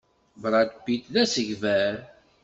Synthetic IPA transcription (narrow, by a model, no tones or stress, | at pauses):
bɾˤad̪bit̪læsəʝvæɾ